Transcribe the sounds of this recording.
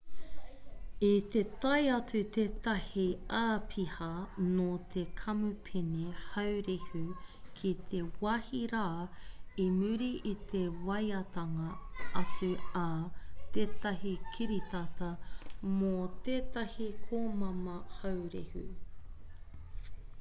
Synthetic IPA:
it̪et̪ɐjɐt͡sʉt̪eːt̪ɐhiaːpʰihɐnot̪ʰekʰɐmupʰenehɐwɾihʉkʰit̪ʰe̞wɐhiɾaːimʉɾiʔit̪ʰewɐjɐt̪ɐŋɐɐt͡sʉɐt̪eːt̪ɐɦikʰiɾit̪ɐtɐmot̪eːt̪ɐhikʰoːmɐmɐhawɾḭhʉ̰

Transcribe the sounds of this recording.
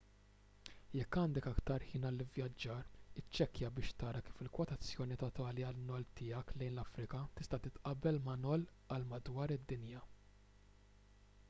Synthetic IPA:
jɛkːɐːnd̪ɛkɐkt̪ɐɾħiːnɐlːɪvjɐd͡ʒːɐːɾɪt͡ʃːɛkjɐbɪːʃt̪ɐːɾɐkiːfɪlkwɔt̪ɐt͡sːjɔːnit̪ɔt̪ɐːliɐlnɔlt̪ɪːɐklɛjnlɐfɾɪkɐt̪ɪst̪ɐt̪ɪt̪ʔɐbːɛlmɐnɔl | ɐlmɐd̪wɐːɾɪd̪ːɪnjɐ

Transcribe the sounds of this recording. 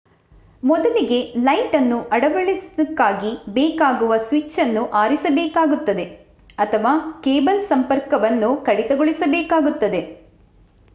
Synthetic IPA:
mɔd̪ɐliɡe̞lɐjʈɐnːuʔɐɽɐʋɐɭisid̪ɐkːaːɡibeːkaːɡuʋɐsʋit͡ʃːɐnːuʔaːɾisɐbɛːkaːɡut̪ːɐd̪e̞ | ɐt̪ʰɐʋaːkeːbɐlsɐmpɐɾkɐʋɐnːukɐɽit̪ɐɡoɭisɐbɛːkaːɡut̪ːɐd̪e̞

